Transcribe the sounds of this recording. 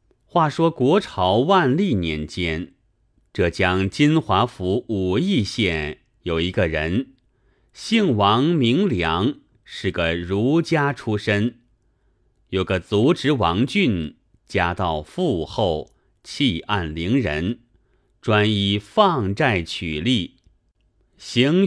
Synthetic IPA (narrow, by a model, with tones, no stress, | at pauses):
xwa˥˩ʂwɔ˥kwɔ˧˥ʈ͡ʂʰɑ˧˥ʊwa˥˧nli˥˩njɛ˧˥nt͡ɕjɛ˥n | ʈ͡ʂɤ˥˩t͡ɕjɑ˥ŋt͡ɕi˥nxwa˧˥fu˧˥u˨˩i˥˧ɕjɛ˥˩n | jo˨˩ʊi˧˥ɡə˧ɻə˧˥n | ɕi˥˩ŋwɑ˧˥ŋmi˧˥ŋljɑ˧˥ŋ | ʂɻ̩˥˩ɡə˩ɻu˧˥t͡ɕja˥ʈ͡ʂʰu˥ʂə˥n | jo˨˩ʊɡə˧t͡su˧˥ʈ͡ʂɻ̩˧˥wɑ˧˥ŋt͡ɕy˥˩n | t͡ɕja˥t̪ɑ˥˧ʊfu˥˧xo˥˩ʊ | t͡ɕʰi˥˧ʔa˥˩nli˧˥ŋɻə˧˥n | ʈ͡ʂwa˥ni˥˧fɑ˥˧ŋt͡sa˥˩ɪt͡ɕʰy˨˩li˥˩ | ɕi˧˥ŋ